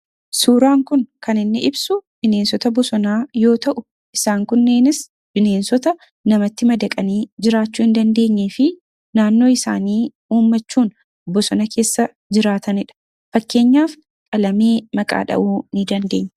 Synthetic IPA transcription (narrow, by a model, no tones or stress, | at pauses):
suːɾaːŋkʊŋkɐnɪnːɪʔɪbsʊbɪneːnsɔt̪ɐbɔsɔnaːjo̞ːt̪ɐʔʊ | ʔɪsaːŋkʊnːeːnɪs | b̥ɪne̞ːnsɔt̪ɐ | nɐmɐt̪ːɪmɐd̪ɐkʼɐniːd͡ʒɪɾaːt͡ʃːuːɪnd̪ɐnd̪e̞ːɲːeːfɪ | naːnːoːɪsa̰ːniː | uːmːɐt͡ʃːuːn | bɔsɔnɐkʰe̞ːsːɐ | d͡ʒɪɾaːt̪ɐnɪᶑɐ̥ | fɐkːe̞ːɲːaːf | kʼɐlɐme̞ːmɐkʼa̰ːᶑɐ̰ʔuːnɪd̪ɐnd̪e̞ːɲː